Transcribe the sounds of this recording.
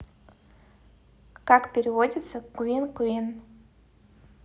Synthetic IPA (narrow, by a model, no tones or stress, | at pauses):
kakpʲeɾʲivodʲit̪səkuinkuin